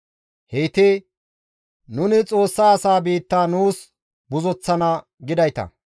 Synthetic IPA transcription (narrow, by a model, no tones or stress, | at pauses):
hejt̪e | nʊnɪt͡sʼo̞ːsːaːsaːbiːt̪ːaːnuːs | bʊzɔt͡sːɐnɐ | ɡɪd̪ɐjt̪ɐ̰